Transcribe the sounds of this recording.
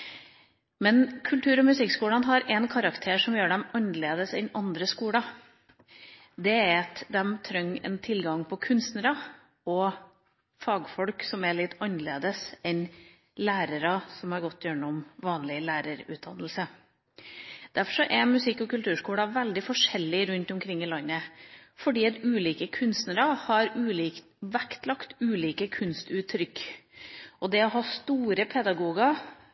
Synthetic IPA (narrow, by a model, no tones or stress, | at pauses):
mɛnkʰʉlt̪ʰʉːɾɔmʉsɪkskuːɽɑnɦɑɾɛnkʰɑɾɑkt̪ʰeːʂɔmjøːɖɛmɑnleːd̪əsɛnɑnd̪ɾəskuːɽɑ | d̪ɛæɾɑt̪d̪ɛmt̪ʰɾœŋːɛ̰nt̪ʰɪlɡɑŋpʰɔkʰʉnst̪nəɾɑ | ɔ | fɑːɡfɔlksɔmɛɭɪt̪ːɑnleːd̪əsɛn | læːɾəɾɑsɔmhɑɾɡɔt̪ːjøːɳəɔmʋɑːnlɪlæːɾəɾʉ̰ːt̪̚d̪ɑnːəlsə | d̪̥æɾfɔʂɔʔɛmʉsɪkːɔkʉlt̪ʰʉːʂkuːɽɑʋɛld̪ɪfɔʂɛlːɪɾʉnt̪ʊmkʰɾɪŋːɪlɑnːəfɔɖiːɑt̪ʉːliːkəkʰʉnst̪nəɾɑhɑɾʉːliːkt̪ | ʋækt̪lɑkt̪ʉːliːkəkʰʉnst̪ʉːt̪ʰːɾʏkː | ɔd̪ɛɔɦɑst̪uːɾəpʰɛd̪ɑɡuːɡɑ